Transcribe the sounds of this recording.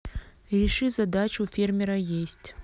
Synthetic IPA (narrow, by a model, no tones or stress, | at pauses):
rʲɪʂɨzɐd̪at͡ɕufʲermʲeɾɐjesʲtʲ